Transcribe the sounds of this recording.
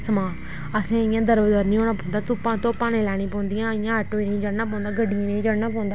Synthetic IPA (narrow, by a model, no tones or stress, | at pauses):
səmãː | əsẽːɪjãːd̪əɾbəd̪əɾnĩːɦoːɽaːpɔ̃ːnd̪aːt̪ʊpãːt̪oːpãːnẽːlɛːɽ̃ĩːpɔ̃ːnd̪iːãːɪjãːəʈoːiːnĩĩːd͡ʒəɽnãːpɔ̃ːnd̪aːɡəɖĩːnĩːd͡ʒəɽnaːpɔ̃ːnd̪aː